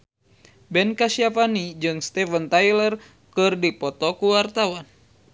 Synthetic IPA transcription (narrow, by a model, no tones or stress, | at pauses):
bɛnkasiapanid͡ʒɨŋst̪ɛfənt̪ajlər | kɨrdipɔt̪ɔkuwart̪awan